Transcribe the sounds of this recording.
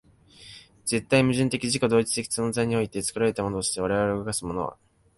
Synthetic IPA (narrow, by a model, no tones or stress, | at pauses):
d͡ze̞t̪ːaimɯ̟ʑɨ̃nt̪e̞kʲiʑiko̞d̪o̞ːit͡sɨ̥t̪e̞kʲi̥sɨ̃nzaiɲ̟io̞it̪e̞t͡sɨ̥kɯ̟ɾaɾe̞t̪amo̞not̪oɕi̥t̪e̞βaɾe̞βaɾeoɡakasɨmo̞no̞̰βa̰